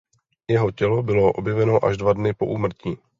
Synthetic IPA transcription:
jɛɦo̞cɛlo̞bɪlo̞ʔo̞̰bjɛvɛno̞ʔa̰ʒdvadnɪpo̞̰ʔuːmr̩ciː

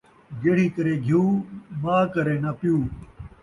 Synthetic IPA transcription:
ɡeːɽ̤iːkəɾeːɡʱjuːmãːkɐɾeːnɐpjuː

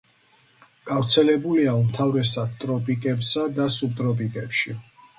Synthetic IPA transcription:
ɡ̥avɾt̪sʰɛlɛbuliaumt̪ʰavɾɛsad̪t̪ʼɾɔpʼikʼɛbsad̪asup̚t̪ʼɾɔpʼikʼɛpʃi

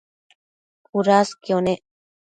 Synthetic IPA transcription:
uɾaskijoneʔ

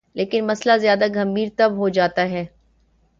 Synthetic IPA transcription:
lʔeːkɪnmɐslazjaːd̪aɡʱɐmbʱiːɾt̪ɐbɦod͡ʒaːt̪aɦɛː

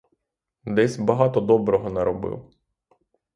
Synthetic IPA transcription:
d̪ɛsʲbɐɦɑt̪ɔd̪ɔbɾɔɦɔnɛɾɔbɪ̰w

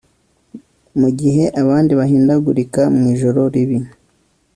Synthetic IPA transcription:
muɡiɦe̞ʔaβaːndiβaɦiːndaɡuɾikamŋiːʒo̞ɾo̞ɾiβi

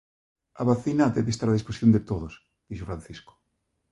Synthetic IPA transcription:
aβaθinat̪eðest̪aɾaðisposjond̪et̪oðos | d̪̥iʃofɾan̟θisko̥

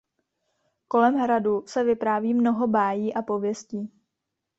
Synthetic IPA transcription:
ko̞lɛmɦɾadusɛvɪpɾaːviːmno̞ɦo̞baːjiːʔapo̞vjɛsciː

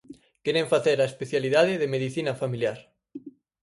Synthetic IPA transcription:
keɾẽɱfaθeɾaespeθjaliðaðɪðemeðiθinɐfamiljaɾ

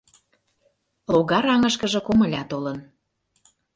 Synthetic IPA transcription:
loɣɑɾɑŋə̆ʃkə̆ʒɤ̆komə̆lʲɑt̪olɤ̆n

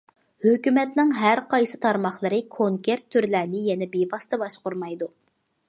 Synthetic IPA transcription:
høkʲymɛt̪nɪŋɦæɾqɑjsɨt̪ʰɑɾmɑχlˠəɾɨkʰoŋkʰʲeɾt̪ʰːyɾlæːnɪjɛnɛbebɑst̪ɑbɑʃqʊɾmɑjd̪u

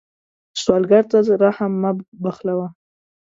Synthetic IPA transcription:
swɑlɡaɾt̪azɾahamːabaxlawa

